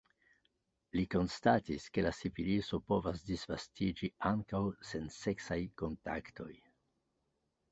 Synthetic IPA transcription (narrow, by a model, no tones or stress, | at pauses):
liko̞nstatiske̞lasiviliso̞po̞vasdisvastid͡ʒiaŋkawse̞nse̞ksajko̞nta̰kto̞j